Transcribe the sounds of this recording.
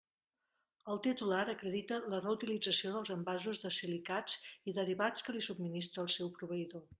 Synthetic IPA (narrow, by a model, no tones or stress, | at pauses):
əlˠt̪it̪ulaɾəkɾəðit̪ələrəut̪ilid͡zəsioðəlˠzəmbazuzðəsilikad͡ziðəɾiβat͡skəlisub̚minist̪ɾəːlˠsɛwpɾuβ̞əiðo